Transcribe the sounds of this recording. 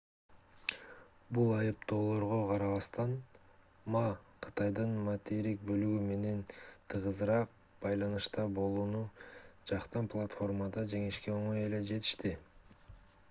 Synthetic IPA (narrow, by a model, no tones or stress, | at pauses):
bulˠɑjɯpt̪o̞ːlˠo̞ɾʁoqʰɑɾɑβɑst̪ɑn | mɑqʰɯ̥t̪ɑjd̪ɯnmat̪eɾik̚bø̞lyɡyme̞ne̞nt̪ʰɯʁɯzɾɑq̚ | b̥ɑjlˠɑnɯʃt̪ɑbo̞lˠuːnud͡ʒɑqt̪ɑnplˠat̪fo̞rmɑd̪ɑd͡ʒe̞ŋiʃke̞o̞ɴo̞je̞le̞d͡ʒe̞t̪i̥ʃt̪i